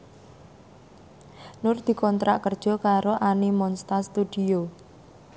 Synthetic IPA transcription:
nʊrd̪̥i̤kɔnt̪ɾa̰ʔkərd̥ʒ̥ɔ̤kaɾoʔanimɔnst̪ast̪ud̪̥io

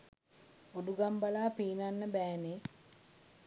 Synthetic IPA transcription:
oduɡambalaːpiːnanːəbæːne

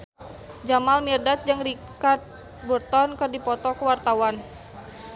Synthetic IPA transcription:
d͡ʒamalmirdat̪̚d͡ʒəŋri | kat̪̚ | bərt̪ɔnkɨrdipɔt̪ɔkəwart̪awan

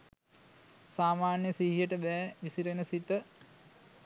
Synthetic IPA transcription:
saːmaːnjəsiɦijəʈəbɛːʋisiɾenəsit̪ə

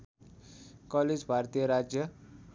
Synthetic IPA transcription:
kʌled͡zbʱart̪ijʌɾad͡zjʌ

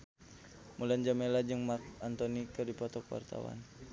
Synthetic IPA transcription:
muland͡ʒamelad͡ʒɨŋmat̪ant̪ɔnikɨrdipɔt̪ɔkwa̰rt̪a̰wa̰n

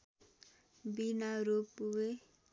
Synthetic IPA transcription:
binaɾopːuwe

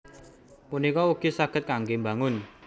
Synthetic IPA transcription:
munikɔuɡ̥i̤saɡ̥ət̪̚kaŋɡembaŋʊn

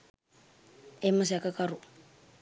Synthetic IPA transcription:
ɛmas̬akakaɾʊ

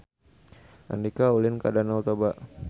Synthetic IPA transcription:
ʔa̰ndikaulɪnkadanɔlt̪ɔbaʔ

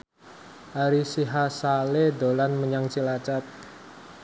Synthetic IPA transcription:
ʔaɾisiɦasaled̪olanməɲaŋt͡ʃilat͡ʃat̪̚

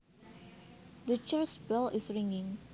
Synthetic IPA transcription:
dət͡ʃəsbɪlɪsɹĩŋɪ̃ŋ

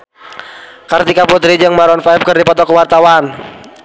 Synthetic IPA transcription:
kart̪ikaput̪ɾid͡ʒɨŋmaɾɔnfaip̚kɨrdipɔt̪ɔkəwart̪awan

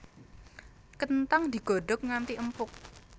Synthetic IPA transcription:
kənt̪aŋd̪̥i̤ɡ̥o̤ɖɔk̚ŋant̪iʔəmpʊk̚

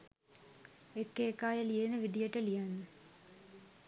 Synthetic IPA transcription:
ekːeːkaːjəlijenəʋid̪ijəʈəlijanːə

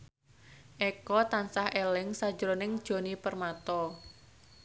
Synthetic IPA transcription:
ʔɛkɔt̪ansahʔelɪŋsad̥d͡ʒɾonɪŋd̥ʒ̥o̤nipərmat̪ɔ

